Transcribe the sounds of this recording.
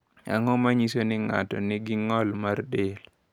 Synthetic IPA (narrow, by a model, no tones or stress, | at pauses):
a̰ŋɔmaɲisonɪŋa̰tɔ̰nɪɡɪŋɔlmardel